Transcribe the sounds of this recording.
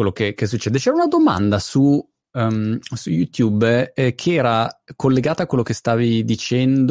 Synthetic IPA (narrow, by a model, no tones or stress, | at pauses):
welːokekes̬ut͡ʃːɛːd̪et͡ʃɛːɾaunad̪oma̰nd̪asu | msujut̪jubkʰeɛːɾakʰolːeɡaːt̪akwelːokest̪aːvid̪it͡ʃɛnd̪